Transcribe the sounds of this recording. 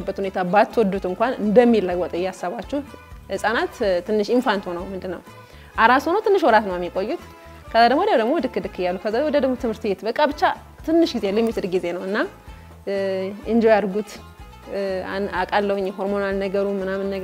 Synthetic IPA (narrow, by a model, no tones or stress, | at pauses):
bːət̪hune̞t̪ʰabat̪ʰːwɔd̪ut̪ɨŋkʷanɨ̰nd̪əmːilːəɡwɔt̪ʼjɛasːaβat͡ʃːɛhhɨsʼanat̪t̪ːɨnːɨʃinfant̪ho̞nəwmɨnd̪ɨnːəw | ʔaɾasonəwt̪ʰɨnːɨʃwɔɾat̪nəwjɛmːikʼo̞jːut̪ | kʰəzad̪əɡmod̪əd̪əɡmo̞d̪ɨkːɨd̪ɨkʰːɨjalːukʰəzaewɔd̪əd̪əɡmo̞t̪ɨmhɨɾt̪bet̪bəkʼaβɨt͡ʃːa | t̪ʰɨnːɨʃɡizealjɛmːit̪ʰɨd̪ɡize̞nəwɨnːa | ɨnd͡ʒojaɾɡut̪ | akʼalːəwɲːɛɦo̞ɾmo̞nalnəɡəɾumɨnamɨnːə